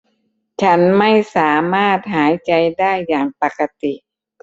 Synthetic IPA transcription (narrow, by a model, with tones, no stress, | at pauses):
t͡ɕʰa˦˥nma˥˩jsaː˩˦maː˥˩t̪̚haː˩˦jt͡ɕa˧jdaː˥˩jːaː˨˩ŋpa˨˩ka˧t̪i˨ʔ